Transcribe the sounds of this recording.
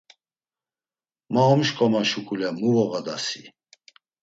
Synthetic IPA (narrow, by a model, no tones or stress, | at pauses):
maɔmʃkʼɔmaʃukʰʼulɛmuvɔɣad̪asi